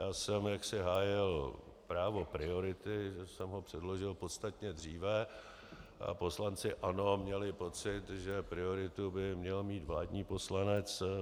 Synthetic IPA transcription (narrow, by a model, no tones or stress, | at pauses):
jaːsɛmjaksɪɦaːjɪl | pɾaːvo̞pɾɪo̞ɾɪt̪ɪʒɛsɛmɦo̞pr̥ɛdlo̞ʒɪlpot̪st̪at̪ɲɛd̪r̝iːvɛ | ʔa̰po̞slant͡sɪʔano̞mɲɛlɪpo̞t͡sɪt̪ʒɛpɾɪo̞ɾɪt̪ubɪmɲɛlmiːt̪vlaːdɲiːpo̞slanɛt͡s